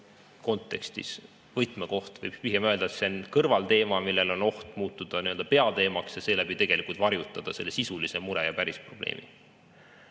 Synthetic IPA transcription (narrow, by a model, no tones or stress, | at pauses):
ko̞nt̪ːˑe̞̰kst̪ḭs | vɤjt̪meko̞ht̪vɤ̰jb̥piɦemøld̪ɑt̪senkɤrvɑlt̪e̞ːmɑmilːe̞lo̞no̞ht̪muːt̪ːˑud̪̥ɑniøld̪̥ɑpe̞ɑt̪e̞ːmɑksjɑse̞ːlæb̥it̪e̞ɡ̥e̞likˑult̪vɑɾjut̪ːˑɑd̪̥ɑselːesisulise̞muɾejɑpæɾispro̞b̥lḛːmʔḭ